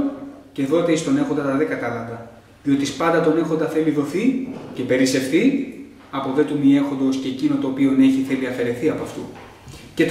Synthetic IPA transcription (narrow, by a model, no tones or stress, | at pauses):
ce̞ðo̞t̪eist̪o̞ne̞xo̞nd̪ɐt̪ɐðe̞ɡɐt̪ɐlɐnd̪ɐ | ðio̞t̪ispɐnd̪ɐt̪o̞ne̞xo̞nd̪ɐθe̞liðo̞θice̞pe̞ɾise̞fθi | ɐpo̞ve̞t̪umie̞xo̞nd̪o̞sceːcino̞t̪o̞ːpio̞ne̞çiθe̞liɐfe̞ɾe̞θiɐpoɐft̪u | ce̞t̪